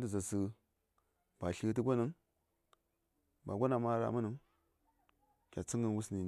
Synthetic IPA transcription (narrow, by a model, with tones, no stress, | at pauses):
də˦˨za˨sə˨ | b̥a˨ɬi˦t̬ə˦ɡʷo˦nə˦ŋ | ba˨ɡʷa˦na˨ma˦ɾa̰˨mə˦nə˦ŋ | kʲa˨t͡si˦ŋə˦n˦wu˦sni˨